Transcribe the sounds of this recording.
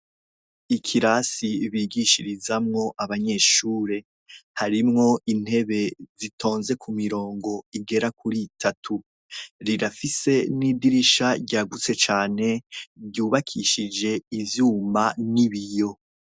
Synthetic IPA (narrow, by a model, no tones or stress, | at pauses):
ikʰiɾasiβiːɡiʃiɾizamŋo̞ʔaβaɲe̞ːʃuːɾe̞ | haɾimŋo̞ʔin̥he̞βe̞zitʰo̞ːnze̞kʰumiɾo̞ːŋɡo̞iɡe̞ɾakuɾitʰatʰu | ɾiɾafise̞nidiɾiʃaɟaɡut͡se̞t͡ʃaːne̞bɟuːβakʰiʃid͡ʒe̞ivjuːmbaniβijo̞